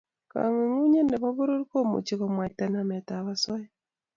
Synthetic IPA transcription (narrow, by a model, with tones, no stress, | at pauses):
ka̰˨ŋe˨ŋu˦ɲe˦nɛ˨βɔ˦βo˦ɾo˦ɾko˦mo̰˨t͡ʃi˦ko˨mwa˨tɛ˦na˨mɛ˨ta˨βa˦sɔ˦ɛ˦